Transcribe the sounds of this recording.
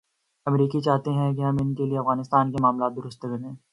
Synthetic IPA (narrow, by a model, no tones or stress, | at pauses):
ɐmɾiːkit͡ʃaːɦt̪eɦɛ̃k̬iɦɐmɪnkelieɐfɣaːnɪst̪aːnkemaːmlaːt̪̚d̪ʊɾʊst̪ɡɐɾẽː